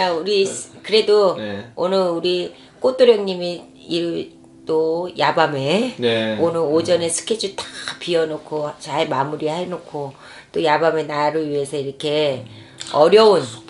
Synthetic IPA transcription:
auɾikɯɾe̞doonɯɭuɾi | k͈ot͈oɾjʌŋɲimi | iɾɯ | t͈ojabame̞nonɯod͡ʑʌne̞sʰɯ̥kʰed͡ʑʰut͈ḁpiʌnokʰot͡ɕaɭmamuɾiɦhaɭnokʰo | t͈ojabame̞naɾɯɭɥiɦe̞sʰʌiɾʌkʰe̞ | ʌɾjʌun

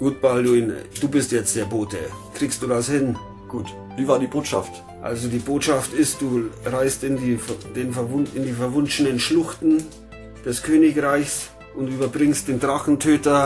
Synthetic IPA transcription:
ɡ̥uːt̚balduɪnd̥uːbɪstjɛt͡std̥eːɐboːtʰəkʁ̥iːkstd̥uːdashɪn | ɡ̥uːt | viːvaːɐdiːboːtʃa̰ft | ʔa̰lzodiːboːtʃaftɪst̚d̥uːʁaɪstɪndiːd̥eːnfɛvʊnɪndiːfɛɐvʊnt͡ʃənənʃlʊxtn̩ | d̥ɛskʰøːnɪçʁaɪçs | ʔʊntʔyːbɐbʁɪŋst̚d̥eːndʁaχn̩tʰøːtɐ

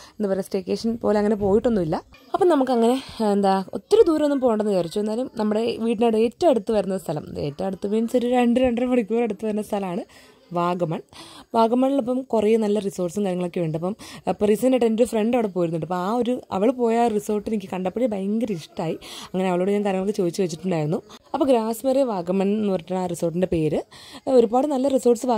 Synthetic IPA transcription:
end̪upɐɾesʈeːkːe̞ːʂɐnpo̞ːleɐŋːɐne̞po̞ːjiʈːonːumilːɐɐpːɐmnɐmukːɨɐŋːɐne̞end̪aːo̞̰t̪ːɐɾɐd̪uːɾɐmonːumpo̞ːjuɳɖenːɐɐrit͡ɕːued̪aːlumnɐmːuɽe̞ʋiːʈ̬ːinoːɽe̞ːtːɐmeɽut̪ːuʋɐɾunːɐst̪ʰɐlɐ̰me̞̰ːtːɐmeɽut̪ːupeːnsɐɾuɾeɳɖɨɾeɳɖɨɾɐmʋɐrikʲːureɽut̪ːuʋɐɾunɐst̪ʰɐlɐmaːɳɨ | ʋaːɡɐmɐɳʋaːɡɐmɐɳiɭopːɐmkurejnɐlːɐriso̞ːrʈsɨkaːɾjɐŋːɐɭo̞kːeʋeːɳɖɨɐpːɐmprisɐneʈːendoɾufreɳɖɐʋiɽep̬ojɾunːiʈːɨɐpːoaːo̞ɾuɐ̰ʋɐɭpo̞ːjaːriso̞ːrʈːɨinikʲːɨkɐɳɖɐpːeɽibɐjŋɡɐɾiʂʈaːjiɐŋːɐneɐʋɐɭoːɽɨɲaːŋkaːɾjɐŋɐɭokːɨt͡ɕoːd̪it͡ɕːuʋɐt͡ɕːiʈːuɳɖaːjiɾunːuɐpːoɡɾaːsmereʋaːɡɐmɐnnːuʋɐrkʲːaːɳaːriso̞ːrʈ̬ːinde̞pe̞ːɾɨo̞ɾubaːɽɨnɐlːɐriso̞ːrʈsɨʋaː

